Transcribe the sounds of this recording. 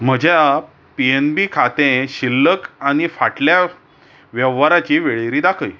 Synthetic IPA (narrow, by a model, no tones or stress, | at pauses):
m̤əd͡ʑja | pienbikʰat̪ẽɕilːəkaɽ̃ifaʈlja | ʋjəʋaɾat͡ɕiːʋeɭeɾiːd̪akʰəj